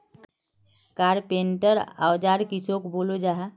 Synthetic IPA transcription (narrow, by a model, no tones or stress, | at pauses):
kaɾpeɳʈəɾa̰wd͡ʒaɾkit͡ʃʰokbolud͡ʒaɦ